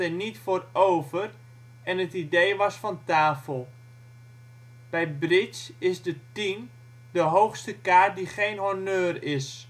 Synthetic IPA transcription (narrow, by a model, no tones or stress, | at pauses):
ɛnitfoːroːvər | ɛnətidejʋɑsfɔntaːfəlˠ | b̥ɛjbrɪsɪsdətin | dəɦowxstəkaːrt̚diχejnɦonøːrɪs